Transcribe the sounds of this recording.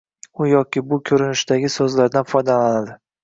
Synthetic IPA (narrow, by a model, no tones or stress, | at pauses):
ʊjɒkʲɪbʊkʲʰɵɾɪnɪʃt̪aɡʲɪsɵzlaɾd̪anfɒjd̪alanad̪ɪ